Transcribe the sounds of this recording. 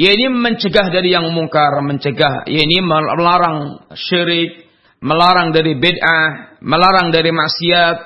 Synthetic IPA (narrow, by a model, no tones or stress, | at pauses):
jainiməɲt͡ʃəɡahdaɾijaŋmuŋkarməɲt͡ʃəɡahja̰iniməlaɾaŋʃiɾɪk̚ | məlaɾaŋdaɾibedʔahməlaɾaŋdaɾimaʔsiat̪̚